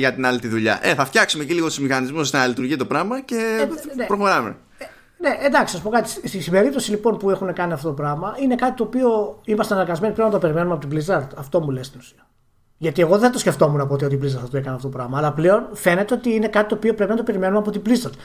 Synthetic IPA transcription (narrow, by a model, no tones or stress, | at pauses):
ʝɐt̪inɐlit̪iðuʎɐ̰ʔeθɐft̪çɐksumeciliɣot̪izmixɐnizmuznɐlit̪uɾʝit̪o̞pɾɐmɐce̞epɾoxo̞ɾɐmḛ | ne̞ʔend̪ɐksisɐspo̞kɐt̪i̥sst̪isibe̞ɾip̚t̪o̞silipo̞npue̞xune̞kɐniɐft̪o̞t̪opɾɐɣmɐine̞kɐt̪i̥t̪o̞ːpio̞imɐst̪eɐnɐɾɣɐzme̞niplenɐt̪o̞pe̞ɾime̞numɐpo̞t̪iblizɐɾt̪ɐft̪o̞mulest̪inusiɐ | ʝɐt̪ie̞ɣo̞ðet̪o̞sce̞ft̪o̞munɐpot̪io̞t̪iblizd̪ɐɾθt̪oekɐniɐft̪ot̪opɾɐɣmɐːlɐple̞o̞nfe̞ne̞t̪e̞o̞t̪iine̞kɐt̪it̪oːpio̞pɾe̞pinɐt̪o̞pe̞ɾime̞numɐpot̪iblisd̪ɐɾt̪